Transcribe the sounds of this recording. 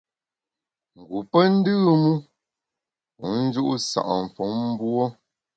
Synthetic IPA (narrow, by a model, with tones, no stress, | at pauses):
ŋ̩˨ɡu˨pə˦n̩˦dɨː˦˨mu˦ | u˨˦n̩˦d͡ʒu˦ʔu˦sa̰˨ʔɱ˨fɔ˨˦ŋm̩˦bwɔ˦